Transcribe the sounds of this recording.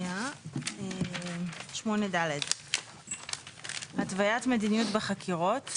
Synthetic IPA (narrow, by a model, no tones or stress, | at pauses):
ae | ʃmo̞nedaled | hatvajatme̞dinijutbaχakʰiʁo̞t